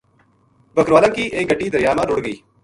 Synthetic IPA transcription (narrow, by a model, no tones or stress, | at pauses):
bəkɾʋaːlãːkiːʔeːɡəɖːiːd̪əɾɪjaːmãːɾoɽɡəiː